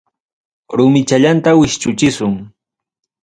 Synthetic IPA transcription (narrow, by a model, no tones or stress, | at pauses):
ɾʊmɪt͡ʃaʎant̪awɪʃt͡ʃʊt͡ʃɪsʊŋ